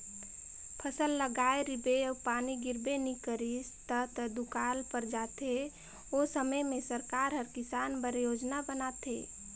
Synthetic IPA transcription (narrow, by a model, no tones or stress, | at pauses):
pʰəsəlːəɡaeɾibeapaniɡɪɾbenikəɾist̪ət̪d̪ukalpəɾd͡ʒat̪e | osəməmẽsəɾkaɾɦəɾkɪsanbəɾjod͡ʒnabənat̪ḛ